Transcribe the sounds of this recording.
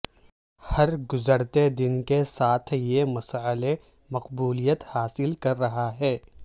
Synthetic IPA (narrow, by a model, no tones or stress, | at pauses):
hɐɾɡʊzəɾt̪ed̪ɪnkesaːt̪ʰjemɐsaːle | mɐqbuːlijət̪haːsɪlkɐɾːɐɦaɦɛː